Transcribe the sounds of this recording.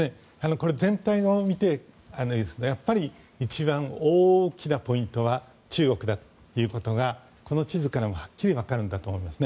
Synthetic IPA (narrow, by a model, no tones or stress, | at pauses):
ne | ano̞ko̞ɾe̞zẽ̞nt̪aio̞mʲit̪e̞ | anojɯsɨ̥nojapːaɾʲi | it͡ɕibãɰ̃oːkʲinapo̞ĩnt̪o̞βa | t͡ɕɨːɡo̞kɯ̟d̪at̪o̥ | jɯ̟ːko̞t̪o̞ɡa | ko̞no̞t͡ɕizɨkaɾamo̞hḁkʲːiɾʲiβakaɾɯ̟nd̪at̪oːmo̞imasɨne